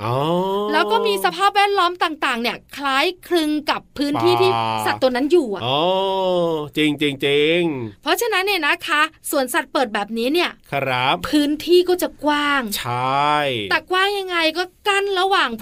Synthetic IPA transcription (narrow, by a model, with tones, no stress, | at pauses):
ʔoː˧lɛː˦˥wkɔː˥˩miː˧sa˧pʰaː˥˩p̚wɛː˥˩t̪̚lɔː˦˥mt̪aː˨˩ŋt̪aː˨˩ŋni˥˩ɐkʰlaː˦˥jkʰɾɯ˧ŋka˨˩pʰːɯː˦˥nt̪ʰiː˥˩t̪ʰiː˥˩sa˨˩t̪ːu˧na˦˥njuː˨˩a˨˩oː˧˩ | t͡ɕi˧ŋt͡ɕi˧ŋt͡ɕi˧ŋpʰɾɔ˦˥t͡ɕʰa˧na˦˥nːi˥˩na˦˥kʰa˦˥su˨˩ənsa˨˩t̪̚pɤː˨˩t̪̚bɛː˨˩p̚niː˦˥ni˥˩ɐkʰɾa˦˥p̚pʰɯː˦˥nt̪ʰiː˥˩kɔː˥˩t͡ɕa˨˩kwaː˥˩ŋt͡ɕʰa˥jt̪ːkwaː˥˩ŋja˧ŋːa˧jkɔː˥˩ka˥˩nɾa˧waː˨˩ŋ